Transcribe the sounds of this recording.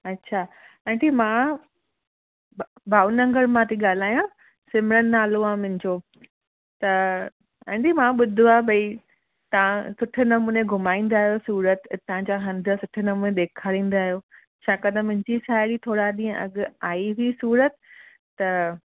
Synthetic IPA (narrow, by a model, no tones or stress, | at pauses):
ɐtːɕʰaː | ɛ̃ːʈimã | bʱaːunɐ̃ŋɡəɾmãt̪iɠaːl̤aːjã | sɪmɪɾənnaːloãmʊ̃ɦɪ̃ɲd͡ʑoː | t̪ɐ | ɛ̃ːʈimãɓʊd̪ʱuabʱɐi | t̪ɐʋãsʊʈʰʊ̆nɐmuːnẽɡʱʊmaːĩːn̆d̪aːɦijosuːɾət̪t̪ɐãɲd͡ʑaɦɐ̃nd̪ʱə̆sʊʈʰɪ̆nɐmuːneɗ̪eːkʰaːɾĩːn̆d̪aːɦijoː | t͡ɕʰaːkɐd̪ʱəmʊ̃ɦɪ̃ɲd͡ʑisaːɪɽit̪ʰoːɽaɗĩːə̃ʔɐ̰ɡaːiɦʊisuːɾət̪ː | ɐ